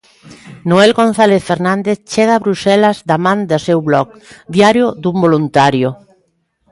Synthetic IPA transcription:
noɛlɣon̟θaleθfeɾnãnd̪eθt͡ʃɛɣaːβɾusɛlɐzd̪amãnd̪asewβlɔk̚d̪jaɾjʊd̪umbolunt̪aɾjʊ

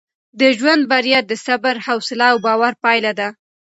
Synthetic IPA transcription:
d̪əʒwand̪̚baɾijad̪əsabaɾhawsɪlaːwbɑwaɾpɑjlad̪a

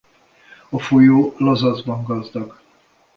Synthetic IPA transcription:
ɒfojoːlɒzɒzbɒŋɡɒzd̪ɒɡ

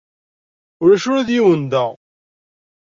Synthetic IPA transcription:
ʊɾæʃʊɾæðjiwənd̪æʁ

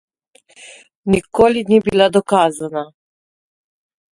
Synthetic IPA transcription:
nikoːlinibilad̪ɔkaːzana

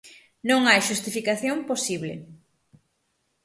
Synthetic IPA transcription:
nõŋajʃust̪ifikaθjomposiβlɪ̰

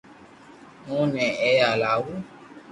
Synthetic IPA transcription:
mũnɛ̃ɛalawu

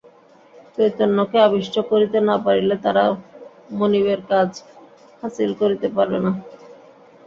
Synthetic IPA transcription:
t͡ɕojt̪onːokeabiʃʈʰokoɾit̪enapaɾilet̪aɾa | monibeɾkad͡ʑ | hasilkoɾit̪epaɾbḛna

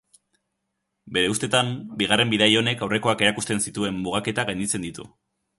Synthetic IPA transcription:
be̞ɾe̞ust̪e̞t̪ambiɣ̞are̞mbiðajo̞ne̞kawre̞ko̞ake̞ɾakust̪e̞nsit̪ue̞mːuɣake̞t̪aɣajnd̪it͡se̞nd̪it̪ṵ

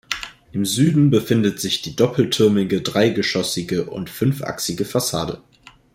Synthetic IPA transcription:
ʔɪmzyːdn̩bəfɪndətz̥ɪçd̥iːdɔpʰl̩tʰʏɐmɪɡədʁaɪɡəʃɔsɪɡəʔʊ̰ntfʏnfʔa̰ksɪɡəfasa̰ːdə̰

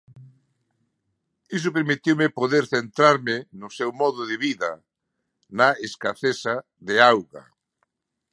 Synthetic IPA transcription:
isʊpeɾmit̪iwmɪpoðeɾθent̪ɾaɾmɪnʊsewmɔðʊðeβiðɐ | naeskaθesa | ðeawɣa̰

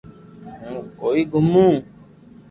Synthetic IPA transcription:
ũkoːiːɡʱʊmːũː

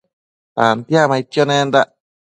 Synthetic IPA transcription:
t̪ant̪ijamaikːjonẽnd̪aʔ

